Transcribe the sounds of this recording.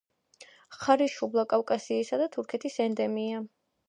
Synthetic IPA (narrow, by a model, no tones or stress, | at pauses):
χaɾiʃublˠakʼafkʼasiːsad̪at̪ʰuɾkʰɛt̪ʰisɛnd̪ɛmia